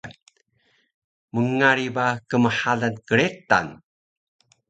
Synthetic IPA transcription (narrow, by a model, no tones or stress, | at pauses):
məŋaɾibakəməħaɮankəɾeta̰n